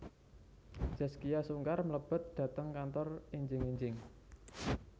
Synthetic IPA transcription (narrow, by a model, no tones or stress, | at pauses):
d͡ʒ̥a̤skijasuŋkarmələb̥ə̤t̪̚d̪̥ä̤t̪əŋkant̪ɔriɲd͡ʒɪŋiɲd͡ʒɪŋ